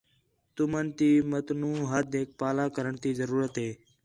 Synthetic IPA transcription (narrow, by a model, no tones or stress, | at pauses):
t̪ʊmənt̪iːmət̪nuːɦət̪̚eːk̚paːlaːkəɾəɳt̪iːzəɾuːɾət̪ɦeː